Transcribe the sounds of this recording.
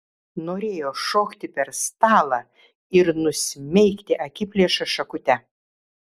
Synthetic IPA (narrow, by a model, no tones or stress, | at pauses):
noːɾʲeːjoːʃoːkt̪ʲɪpʲɛɾst̪ɑːlˠɑː | ɪɾnʊsʲmʲɛɪkʲt̪ʲɪʔɐkʲɪpʲlʲiɛʃɐʃɐkʊt̪ʲɛ